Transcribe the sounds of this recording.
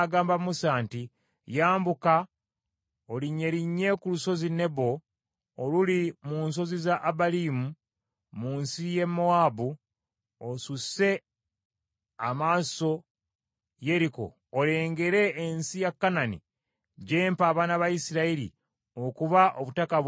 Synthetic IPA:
ɡaːmbamusaːnti | jaːmbuka | oliɲːe̞ɾiɲːe̞kuluso̞zine̞βo̞ː | lulimuːnso̞zizaʔːbaliːmu | muːnsije̞mːoaːbu | osuse̞ | amaːso̞ | je̞ɾiko̞̰ːle̞ːŋɡe̞ɾe̞ːnsijakːananḭ | ɟe̞ːmpaːβaːnaβajisiɾaiɾḭ | okuβaʔo̞βutaka

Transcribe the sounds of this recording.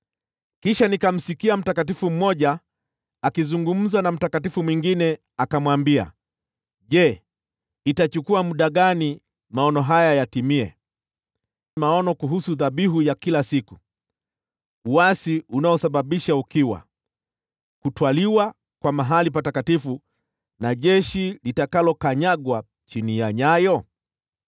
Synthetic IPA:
kiʃanikam̩sikiam̩takatifum̩mɔʄaː | kizuŋɡum̩zanam̩takatifumwiŋɡinɛ | akamwambia̰ | ʄɛ | itat͡ʃukuamuɗaɠani | maɔnɔɦajajatimiɛ̰ | maɔnɔkuɦusuðaɓiɦujakilasiku | uwasiunaɔsaɓaɓiʃaukiwa̰ | kutwaliwa | kwamaɦalip̬atakatifu | naʄɛʃilitakalɔkaɲaɡwa | t͡ʃinijaɲajɔ

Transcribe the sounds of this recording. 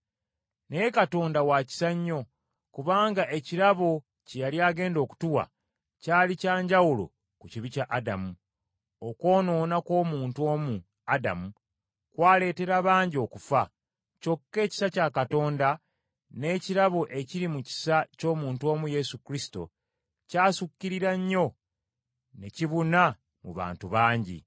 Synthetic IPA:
nejekato̞ːndawaːci̥saɲːo̞ | kuβaːŋɡaʔe̞ciɾaβo̞ | cejaljaːɡe̞ːndo̞ːku̥tuwa̰ | caːlicaːɲɟawulo̞̰ | kuciβicaʔada̰mu | oko̞ːno̞ːnako̞ːmuːntuo̞ːmu | ada̰mu | kwaːle̞ːte̞ɾaβaːɲɟio̞ːkufa | co̞kːe̞ːci̥sacaːkato̞ːnda | ne̞ːciɾaβoʔe̞ciɾimuci̥saco̞ːmuːntuo̞ːmuje̞sukɾisi̥to̞̰ | caːsukːiɾiɾaɲːo̞ | neciβuna | mṵβa̰ːntuβaːɲɟḭ

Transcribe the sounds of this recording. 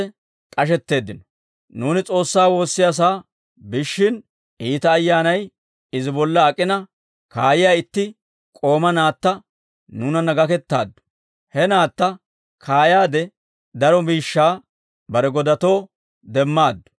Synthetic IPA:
kʼɐʃ̬ɛt̪ːe̞ːd̪ːɪnɔ | nuːnɪt͡sʼo̞ːsːaːwo̞ːsːɪjas̬aː | bɪʃːɪn | iːt̪ɐːjːaːnɐj | ɪzɪbɔlːɐːkʼːɪnɐ | kaːjɪjaːɪt̪ːɪ | kʼo̞ːmɐnaːt̪ːɐ | nuːnɐnɐɡɐkɛt̪ːa̰ːd̪ːʊ̥ | hɛnaːt̪ːɐ | kʰaːjaːd̪ɛ | d̪ɐɾɔmiːʃːaː | bɐɾɛɡɔd̪ɐt̪o̞ː | d̪ɛmːaːd̪ːʊ̥

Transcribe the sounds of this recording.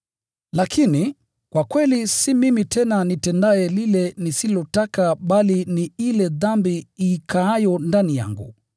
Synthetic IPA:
lakʰini | kwakwɛlisimimitʰɛnanitɛndaɛlilɛnisilɔtakaɓaliniilɛðambiːkʰaajɔndanija̰ŋɡṵ

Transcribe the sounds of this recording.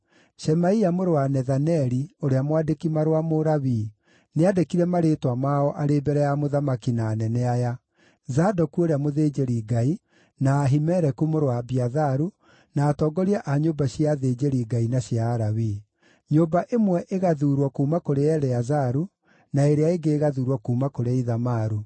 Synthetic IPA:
ʃɛmaiamoɾowanɛðanɛɾioɾeamwadekimaɾowamoɾaβiː | neadekiɾɛmaɾetwamaɔʔaɾeːbɛɾɛjamoðamakinaːnɛnɛaja | zadɔkuoɾeamoðeːd͡ʒeɾiːɡai | naːɦimɛɾɛkumoɾwabiaðaɾu | naːtɔːɡɔɾiaʔaɲobaɕiaðed͡ʑeɾiɡainaɕjaːɾaβiː | ɲobaʔemwɛʔeɣaðuɾwɔkuːmakoɾeɛɾɛazaɾu | naeɾeaeɡeːɣaðuːɾwɔkuːmakoɾeaiðamaɾu

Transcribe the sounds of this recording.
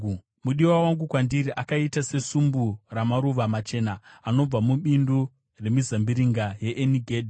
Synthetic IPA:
muɗiwawaŋɡukwandiɾiʔakaitase̞sumburamaɾuʋamat͡ʃe̞ːnaːno̞b͡vamuɓindu | re̞mizambiɾiŋɡaje̞ʔeniɡʱeːdʱi

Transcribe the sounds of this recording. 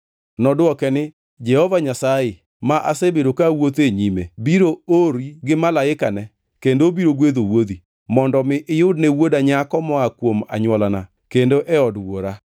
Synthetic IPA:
nɔdɔkɛnɪ | d͡ʒɛhɔvaɲasaɪ | maʔasebeɾokawot̪eɲimebiɾooɾiɡɪmalaɪkanɛ | kendobiɾoɡweðowoði | mɔndɔmɪʔɪjʊdnewodaɲakɔmɔakwoma̰ɲwɔlana | kendoʔɛɔdwoɾa

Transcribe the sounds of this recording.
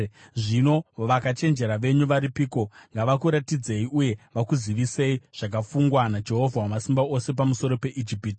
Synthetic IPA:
ʐino̞ʋakat͡ʃe̞nd͡ʒe̞ɾaʋe̞ɲuʋaɾipiːko̞ŋɡaʋakuɾatid͡ze̞iʔuje̞ʋakuziʋise̞iʐ̥ak̬afuŋɡwanad͡ʒe̞ɦo̞vʱawamasimbaose̞pamuso̞ɾo̞pe̞ʔid͡ʒipiti

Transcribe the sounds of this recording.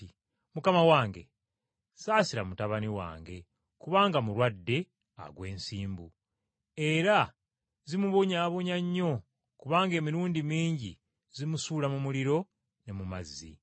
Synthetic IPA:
mukamawaːŋɡe̞̰ | saːsiɾamutaβaniwa̰ːŋɡe̞ | kuβaːŋɡamuɾwadːe̞ | a̰ɡwe̞ːnsiːmbu | e̞ɾa | zimuβo̞ɲaːβo̞ɲaɲːo̞ | kuβaːŋɡe̞ːmiɾuːndimiːɲɟḭ | zimusuːlamumuliɾo̞ | ne̞mumazːḭ

